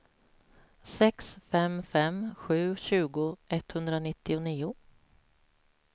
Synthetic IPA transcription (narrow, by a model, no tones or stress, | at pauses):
sɛksfɛmfɛmɧʉ̟ːɕʉ̟ːɡʊɛt̪ːhɵnd̪ɾanɪt̪ːɪʊniːʊ